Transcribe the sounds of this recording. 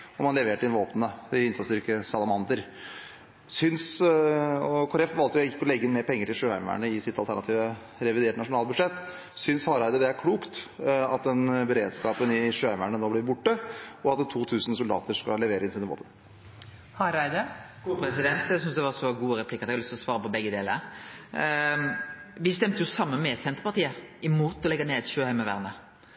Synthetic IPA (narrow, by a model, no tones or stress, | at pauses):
ɔmɑnlɛʋeːʈəɪnʋoːpənəɪɪnsɑt̪sɾkːəsɑlɑmɑnd̪əɾ | sʏns | ɔkʰoːɾɛfʋɑlt̪əjʊɪkːəɔlɛɡːɪnmeːɾpʰɛŋːəʈɪlʂøːæ̰ɪmæ̰ɳəɪsɪt̪ːɑlt̪ʰæɳɑt̪ʰiːʋə | ɾɛʋɪd̪eːʈnɑʂʊnɑːlbʉd̪ʂɛt̪ː | sʏnshɑɾæɪd̪əd̪ɛæɾkʰɽuːkt̪ɑt̪̚d̪ɛnbəɾeːd̪skɑːpənɪʂøːæɪmæɳənoːblɪɾbʊʈːəɔɑt̪̚t̪ʰuːt̪ʰʉːsn̩sʊld̪ɑ̰ːt̪əʂkɑ̰lɛʋeːɾəɪnsɪnəʋɔ̰lbə̰n | hɑɾæɪd̪ə | pʰɾɛsɪd̪ɛnt̪æsʏnsd̪ɛʋɑʁʂɔɡuːəɾɛpʰlɪkːəɑt̪ɛɡhɑlʏst̪lɔsʋɑːɾəpɔbɛɡːəd̪eːləɾ | ʋɪst̪ɛmt̪əjʊsɑmːənmɛsɛnt̪əɾpɑɾt̪iːəɪmuːt̪ɔlɛɡəneːt̪ʃøːhæɪməʋæ̰ʁnə